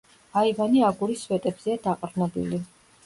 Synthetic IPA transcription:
aivaniaɡuɾiswɛt̪ʼɛbz̥ɛad̪aqʼɾnɔbḭli

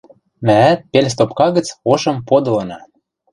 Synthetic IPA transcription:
mææt̪̚pels̬t̪opkɑɣə̆t͡soʃɤ̆mpod̪ɤ̆lɤ̆nɑ

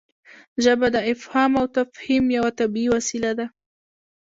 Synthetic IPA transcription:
d͡ʒabad̪aʔɪfhaːmawt̪afhimjawat̪abiːwasilad̪a

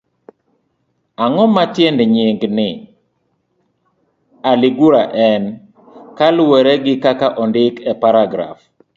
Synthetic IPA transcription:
aŋɔmatjendɲɪŋɡnɪ | alɪɡuɾaʔɛn | kalweɾɛɡɪkakaʔɔndɪkɛpaɾaɡɾa̰f

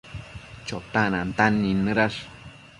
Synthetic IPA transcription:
t͡ʃot̪anant̪anːinːɨɾaʂ

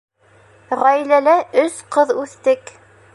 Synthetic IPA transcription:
ʁæjlælæʔɵsqɤðʉθt̪ɘk

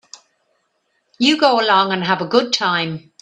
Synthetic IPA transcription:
jəɡoʊəlɔ̃ŋə̃nəvəɡʊd̚tʰãɪ̃m

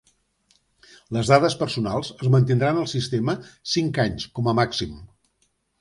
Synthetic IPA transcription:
ləzðaðəspərsunalˠzəzmənt̪̬ind̪ɾanəlˠsist̪eməsiŋkaɲskɔməmaksim

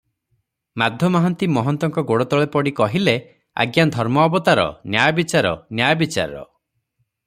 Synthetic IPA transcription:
mad̪ʱjɔmaɦɔnt̪imɔɦɔnt̪ɔŋkɔɡoɽɔt̪ɔɭepɔɽikɔɦile | a̰ɡjand̪ʱɔɾmɔːbɔt̪aɾɔ̰njajɔbit͡ʃaɾɔ̰njajɔbit͡ʃa̰ɾɔ̰

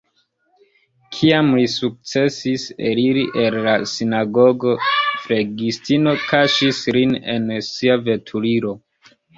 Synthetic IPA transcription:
kʰiamlisuk̚t͡se̞siseɾiɾiʔellasinaɡo̞ɡo̞fle̞ɡistino̞kaʃisline̞̰nsiave̞tʰuliɾo̞

